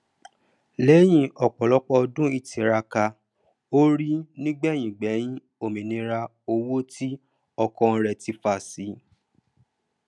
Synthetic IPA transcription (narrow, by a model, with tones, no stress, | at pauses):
leː˨˦j̃ĩ˦˧ʔɔ˨k͡pɔ˨lɔ˨˦k͡pɔ˧dũ˦i˦˨tĩ˨˦ɾa˧ka˧ | o˦ɾi˦nĩ˦ɡ͡bɛ˦˨j̃ĩ˨ɡ͡bɛ˨˦j̃ĩ˦ | o˦˨mĩ˨nĩ˨˦ɾa˧ | o˧wo˦ti˦ | ɔ˧kɔ̃˧ɾɛ˧ti˧fa˧˨si˨˦